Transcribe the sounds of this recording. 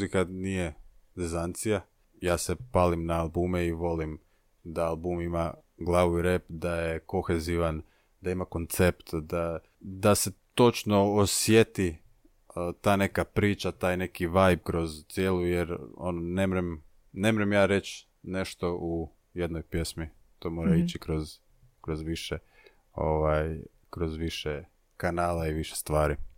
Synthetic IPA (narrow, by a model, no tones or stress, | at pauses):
uzikanije̞d̪izant̪sija | jaːsepaːlimnaːlˠbuːmeiʋo̞lim | d̪aalbuːmimaɡlˠaːʋuiɾepd̪ajeko̞xe̞ziʋan | d̪aimako̞nt̪se̞pt̪d̪a | d̪ase̞t̪o̞t͡ʃno̞osje̞t̪i | t̪aːne̞kapɾiːt͡ʃat̪aːjne̞kiʋajbkɾo̞zt̪sjeːlˠujeɾo̰nonemɾem | ne̞mɾemjaːɾe̞t͡ʃ | ne̞ʃt̪o̞ʔu | jed̪nojpje̞smi | t̪oːmo̞ɾait͡ʃikɾoz | kɾozʋiʃe | o̰ʋaj | kɾo̞zʋiʃe | kanaːlaiʋiʃe̥st̪ʋaːɾi